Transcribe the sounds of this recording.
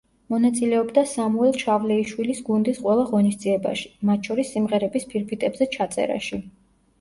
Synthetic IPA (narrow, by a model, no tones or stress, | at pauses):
mɔnat̪sʼilɛɔbd̪asamuɛlˠʃʰavlɛiʃwilisɡund̪isqʼwɛlˠaʁɔnisd̪ziɛba̰ʃi̥mat̪ʰʃʰɔɾisːimʁɛɾɛbispʰiɾpʰit̪ʼɛbzɛt͡ʃʰat̪sʼɛ̰ɾa̰ʃi